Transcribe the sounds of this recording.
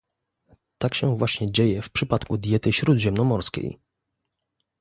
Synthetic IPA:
t̪akɕɛvwaɕɲɛd͡ʑejɛfpʂɘpat̪kud̪ʲjɛt̪ɘɕɾud̪ʑɛmnɔmɔɾskʲḛj

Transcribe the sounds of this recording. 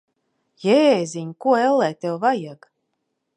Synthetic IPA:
jɛːzʲiɲkuɔɛlːɛːt̪ɛwvajaɡ

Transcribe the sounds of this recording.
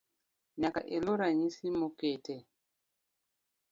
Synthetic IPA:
ɲaka̰ʔeloɾaɲisimokete

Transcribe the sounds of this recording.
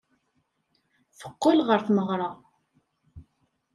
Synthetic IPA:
θə̥qːəlʁəɾθməʁɾˤɑ

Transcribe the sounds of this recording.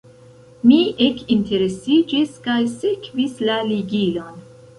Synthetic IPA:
miʔekinte̞ɾe̞sid͡ʒiskajsekvislaliɡilo̞n

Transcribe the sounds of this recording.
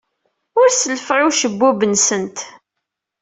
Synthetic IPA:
ʊɾsəlfʁuʃəbːubənsənt̪

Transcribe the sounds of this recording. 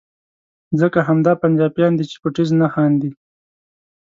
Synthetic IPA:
zəkaɦamd̪ɑpand͡ʒɑpjɑnd̪it͡ʃe̥pʊʈiznaxɑnd̪i

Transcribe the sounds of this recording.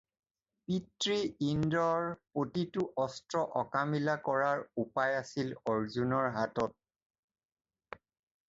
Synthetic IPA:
pitɹiindɔɹpotitʊʔɔstɹɔʔɔkamilakɔɹaɹupajasilɔɹzunɔɹɦatɔt̚

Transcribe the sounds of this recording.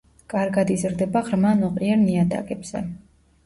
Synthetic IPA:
kʼaɾɡad̪izɾd̪ɛbaʁɾmanɔqʼɾiɛɾniad̪a̰ɡʼɛbz̥ɛ̰

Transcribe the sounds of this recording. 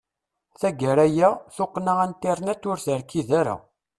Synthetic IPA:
θæɡəɾæjæθoqːnaʁænt̪ːiɾˤnæt͡sːʊɾθəɾkːiðæɾæ̰

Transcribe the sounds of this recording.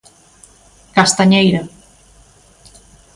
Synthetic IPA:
kast̪aɲejɾa

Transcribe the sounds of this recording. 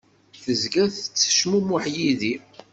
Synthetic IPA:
θəzɡæθət͡sːə̥ʃmumʊħjiði

